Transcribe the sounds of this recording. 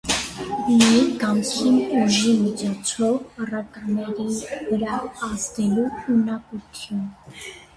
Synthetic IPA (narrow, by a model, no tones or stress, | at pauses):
liɡɑmskinuʒimit͡ʃʰɔt͡sʰɔvərɑkɑnɛɾivəɾɑːzd̪ɛluunɑkut̪ʰjun